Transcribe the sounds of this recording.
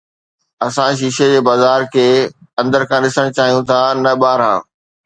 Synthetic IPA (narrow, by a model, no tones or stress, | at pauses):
ɐsãʃ̬iːʃed͡ʑeːbaːzaːɾkʰeːɐ̃nd̪əɾkʰãːɗɪsəɽ̃t͡ɕaːɦijũt̪ʰanɐɓaːɾɦã̰ː